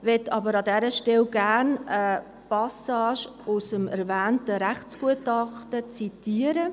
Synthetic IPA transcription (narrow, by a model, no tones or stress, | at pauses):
vɛtʰːɑbəɾɑdɛɾəʃtɛlɡæɾnə | pɑsɑːʃ | ʊsəmɛ̰ɾvæːntəɾæχt͡sɡ̥uətɑχtət͡sitiːəɾə